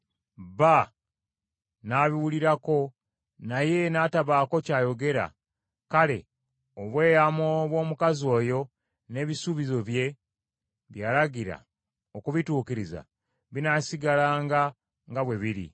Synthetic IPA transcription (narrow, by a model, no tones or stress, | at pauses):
βa | naβiwuliɾako̞ | naje̞naːtaβaːko̞caːjo̞ɡe̞ɾa̰ | kale̞̰ | oβwe̞ːjamoβwo̞ːmukazo̞ːjo̞ | ne̞βisuβizo̞βje̞ | βjaːlaɡiɾa̰ | okuβituːkiɾiza̰ | βinasiɡalaːŋɡa | ŋɡaβwe̞βiɾḭ